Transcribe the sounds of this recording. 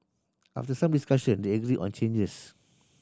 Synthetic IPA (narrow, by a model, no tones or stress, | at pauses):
ʔa̰ftəsãmdiskaʃə̃ndeəɡɹiʔɔ̰̃nt͡ʃẽnd͡ʒəs